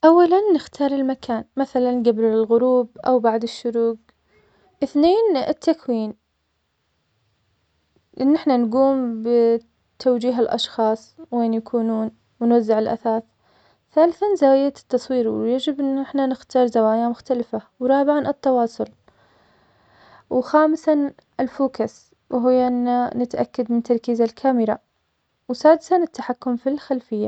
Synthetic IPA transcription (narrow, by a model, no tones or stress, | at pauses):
ʔawːalanːɪxt̪ʰɑːɾˤɪlmakʰaːnmaθalanɡabɾɪlɣʊɾuːb̚ʔa̰wbaʕd̪ɪʃːʊɾuːɡ | ʔɪθneːnɪt̪ʰːakwiːn | ʔɪnːɪħnanɡuːmbɪ | t̪ʰːawd͡ʒiːɦɪlʔɑ̰ʃxɑːsˤweːnjakʰuːnuːn | wnwazːɪʕɪlʔa̰θaːθ | θaːlɪθanzaːjat̪t̪ːɑsˤwiːɾwjad͡ʒɪbʔɪnːʔɪħnanɪxt̪ɑːɾˤzawaːjamʊxt̪alɪfawɾˤɑːbɪʕanɨt̪ːɑwɑːsˤʊl | wxaːmɪsan | ʔɪlfuːkas | wɦɪjːaʔɪnːanɪt̪ʔa̰kːad̪mɪnt̪ɑɾˤkiːzalkʰaːmɪɾa | wsaːd̪ɪsanɪt̪ːaħakːʊmfilxalfɪjːa